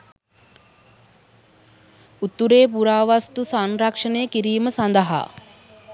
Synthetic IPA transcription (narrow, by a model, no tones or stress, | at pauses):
ut̪ːuɾeːp̬uɾaːʋast̪usanɾɐkʂɐneːkiɾiːməsɐnd̪əɦa̰